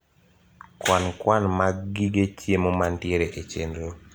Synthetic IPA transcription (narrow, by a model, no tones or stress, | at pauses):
kwankwanmaɡːiɡet͡ʃjemomantjeɾeʔet͡ʃendɾo